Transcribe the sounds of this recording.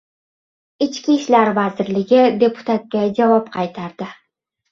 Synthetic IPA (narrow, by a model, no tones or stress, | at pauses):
ɪt͡ʃkʲiʃlaɾvazɪɾlɪɡʲɪd̪e̞pʰʊ̥t̪ʰat̪̚kʲad͡ʒavɒpqʰɑjt̪ʰaɾd̪ɪ